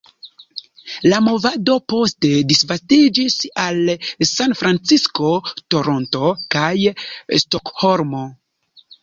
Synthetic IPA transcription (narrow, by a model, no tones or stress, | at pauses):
lamo̞vado̞po̞ste̞disvastid͡ʒisalsanfɾant͡sisko̞to̞ɾo̞nto̞kajstokho̞ɾmo̞